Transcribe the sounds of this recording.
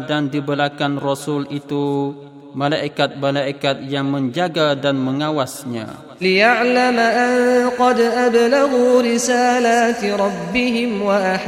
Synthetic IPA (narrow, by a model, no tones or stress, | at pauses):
dandibəlakanrɔsʊlit̪u | malaʔikat̪̚malaʔikat̪̚jaŋmə̃ɲd͡ʒaɡadanməŋawasɲa̰ | ɪjaʕlamaʔanqɑd̪ʔablaɣuːɾɪsaːlat̪ɾˤɑbːɪɦɪmwaʔaħ